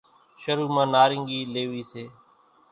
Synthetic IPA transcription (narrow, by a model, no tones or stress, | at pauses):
ʃəɾuːmãːnaːɾɪŋɡiːleːʋiːseː